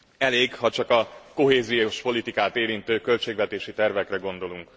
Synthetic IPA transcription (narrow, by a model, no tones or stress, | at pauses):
ɛleːɡhɒt͡ʃɒkɒko̞ɦeːzijoʃpo̞lit̪ikaːt̪eːɾint̪øːkø̞lt͡ʃeːɡvɛt̪eːʃit̪ɛrvɛkrɛɡo̞nd̪o̞luŋk